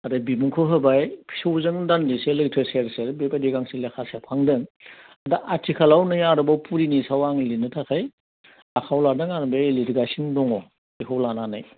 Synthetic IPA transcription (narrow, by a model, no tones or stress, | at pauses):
adɯbimuŋkʰoɦɯbajpʰi̥sowzɯŋdandiselɯtʰeseɾseɾbepadiɡaŋselekʰasepʰaŋdɯŋ | adaʔatʰikʰalawnɯjaɾɯbapuɾinisawaŋlinɯtʰakʰaj | akʰawladɯŋanbeliɾiɡasindɔŋɔ | iɦʰawlananaj